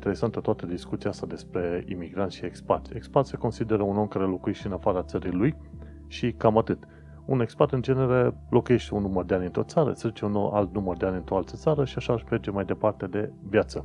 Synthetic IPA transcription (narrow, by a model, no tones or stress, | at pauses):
nt̪ee̞sant̪ət̪oat̪əd̪iskut̪siaast̪ad̪e̞spɾe̞ḭmiɡɾant̪ʲʃie̞kspa̰t̪sʲekspat̪se̞ko̞nsid̪e̞ɾəuno̞mkaɾe̞lo̞kuje̞ʃt̪eɨnafaɾat̪səɾiluj | ʃikamat̪ɨt̪ | une̞kspat̪ɨnd͡ʒe̞ne̞ɾelo̞kuje̞ʃt̪eunːumərd̪e̞anʲɨnt̪ɾo̞t̪saɾə̰sezit͡ʃeunoa̰lt̪numərd̪e̞anʲɨnt̪ɾo̞alt̪ət̪saɾəʃiaʃaːʃperd͡ʒe̞majd̪e̞part̪e̞d̪e̞vjat̪sə